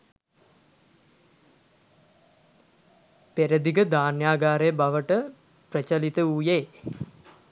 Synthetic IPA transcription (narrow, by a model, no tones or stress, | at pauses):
peɾəd̪iɡəd̪aːnjaːɡaːɾejəbaʋəʈə | prət͡ʃəlit̪əujeː